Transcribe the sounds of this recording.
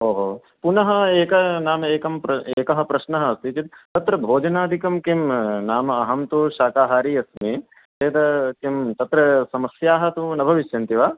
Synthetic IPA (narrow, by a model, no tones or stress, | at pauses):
oːɦoː | punɐɦɐ̆eːkɐnaːmɐeːkɐmpɾɐeːkɐɦɐpɾɐʃnɐɦɐɐst̪it͡ʃit̪̚t̪ɐt̪ɾɐbʱoːd͡ʒɐnaːd̪ʱikɐmkimnaːmɐɐɦɐmt̪uʃaːkaːɦaːɾiːɐsmi | t̪eːd̪ɐkimt̪ɐt̪ɾɐsɐmɐsjaːɦɐ̆t̪unɐbʱɐʋiʃjɐnt̪iʋaː